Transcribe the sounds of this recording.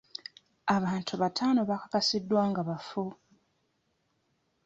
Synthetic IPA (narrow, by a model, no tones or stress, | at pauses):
aβaːntʰuβatʰaːno̞βakḁkasidːwaːŋɡaβafo